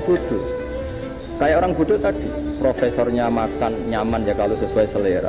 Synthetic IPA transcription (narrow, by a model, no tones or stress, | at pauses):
b̥ud̪̥u | kajaʔoɾaŋbud̪ut̪ad̥i | pɾofɛsɔrɲamakanɲamanjakalosəsuaisəleɾa̰